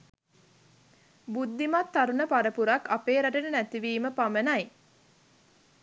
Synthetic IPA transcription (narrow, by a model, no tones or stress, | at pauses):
bud̪ːimat̪ːaɾunəpaɾəpuɾakːapeːɾæʈənənæt̪iʋiːməpamənaj